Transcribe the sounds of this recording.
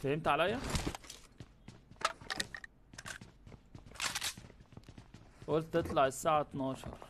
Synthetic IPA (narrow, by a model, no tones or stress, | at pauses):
t̪hɪmt̪ʕalæjːa | wʊlt̪ːɪt̪ˤlɑʕɪsːaːʕat̪nɑːʃɑ̰ɾˤ